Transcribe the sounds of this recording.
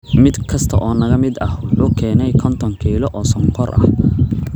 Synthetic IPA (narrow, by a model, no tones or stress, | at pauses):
mɪd̪kʰɐst̪ʰɐʔɔːnɐɣɐmɪd̪ɐhwʊħuːkʰɛːnɛjkʰɔnt̪ʰɔŋkʰiːlɔʔɔːsɐŋqʰɔrʔɐ̰h